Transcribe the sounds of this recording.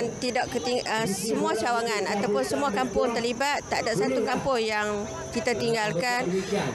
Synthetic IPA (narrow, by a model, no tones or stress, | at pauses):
nt̪idaʔkət̪iŋəsəmũat͡ʃawaŋanat̪awpʊnsəmuakampʊŋt̪ərlibat̪ːaʔdaʔsat̪ukampʊŋjaŋ | kit̪at̪iŋɡalkan